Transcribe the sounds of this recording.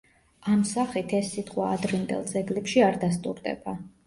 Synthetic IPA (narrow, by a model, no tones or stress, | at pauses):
amsaχit̪ʰɛsːit̪ʼqʼwaːd̪ɾind̪ɛ̰lˠd̪zɛɡlɛpʃiaɾd̪ast̪ʼṵɾd̪ɛ̰ba